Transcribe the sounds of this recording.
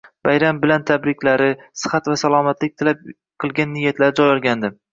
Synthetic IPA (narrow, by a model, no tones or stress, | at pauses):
b̥ajɾambɪlant̪ʰabɾɪkʲlaɾɪsɨ̥χat̪vasalˠɒmat̪lɪk̚ʲt̪ʰɪlap̚ | qʰɨlˠɡʲanːɪjːat̪laɾɪd͡ʒɒjɒlˠɡʲand̪ɪ